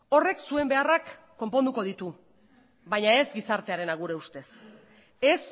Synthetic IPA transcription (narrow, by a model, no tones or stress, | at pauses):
o̞re̞ksue̞mbe̞arakː | o̞mpo̞nd̪uko̞ð̞it̪u | bajɲae̞zɡisaɾt̪e̞aɾe̞naɣ̞uɾe̞ust̪e̞s | e̞s